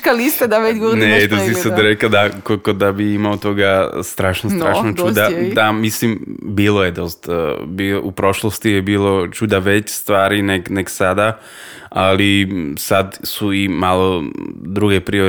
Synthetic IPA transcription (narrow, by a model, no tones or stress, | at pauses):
kalist̪ad̪aʋet͡ʃɡoɾnet̪asisad̪ɾekad̪akokod̪abiimaot̪o̞ɡast̪ɾaːʃnost̪ɾaːʃnot͡ʃud̪ad̪amislimbiːlojed̪o̞st̪abioupɾo̞ʃlˠost̪ijebiːlˠo̞t͡ʃud̪aʋet͡ɕst̪ʋaːɾinekneksad̪a | alisad̪suimaːlˠod̪ɾuɡepɾio